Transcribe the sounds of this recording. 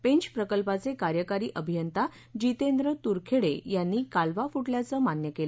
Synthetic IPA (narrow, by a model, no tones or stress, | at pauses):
pẽɲt͡ɕpɾəkəlpat͡sekaɾjəkaɾiːʔəbʱijənt̪a | d͡ʑit̪end̪ɾət̪uɾkʰeɽejanːiːkalʋafuʈljat͡səmanjəkel